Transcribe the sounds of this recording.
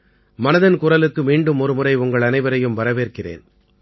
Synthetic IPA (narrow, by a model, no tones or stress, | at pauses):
mɐnɐðɐnkʊrɐlɯkːɯmiːɳɖɯmɔɾɯmɯrɐɪʊŋɡɐɭɐnɐɪʋɐɾɐjɯmʋɐɾɐʋeːrkɪrḛːn